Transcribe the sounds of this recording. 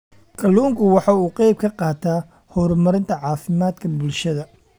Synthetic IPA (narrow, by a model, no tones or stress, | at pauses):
kʰɐluːŋkʰʊwɑħɑuːqɛjb̚kʰɐqɑːt̪ʰaː | hɔɾmɐɾɪnt̪ʰɐʕɑːfɪmaːd̪kʰɐbʊlʃɐðɐ